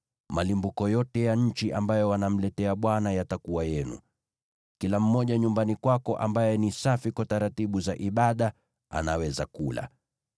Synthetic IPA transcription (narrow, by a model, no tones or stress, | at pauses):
malimbukɔjɔtɛjaɲ̩t͡ʃiʔambajɔwanam̩lɛtɛaɓwanajatakuwajɛnṵ | kilam̩mɔʄaɲumbanikwakɔʔa̰mbajɛnisafikwataɾatiɓuzaʔiɓaɗa | a̰nawɛzakula̰